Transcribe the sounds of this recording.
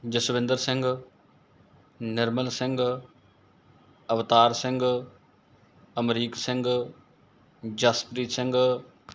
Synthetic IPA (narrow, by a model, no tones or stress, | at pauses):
d͡ʒəsʋɪ̃nd̪əɾsɪ̃ŋɡ | nɪɾməlsɪ̃ŋɡ | əʋt̪aːɾsɪ̃ŋɡ | əmɾiːksɪ̃ŋɡ | d͡ʒaspɾiːsɪ̃ŋɡ